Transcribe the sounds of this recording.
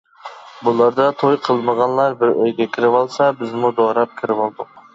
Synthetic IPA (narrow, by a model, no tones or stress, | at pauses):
bulˠɑɾd̪ɑt̪ʰojqʰəlˠməʁɑnlˠɑɾbɪɾøjɡʲɛkʲʰiɾɪvɑlˠsɑbɪzmud̪oɾɑp̚kʲʰiɾɪvɑlˠd̪ʊq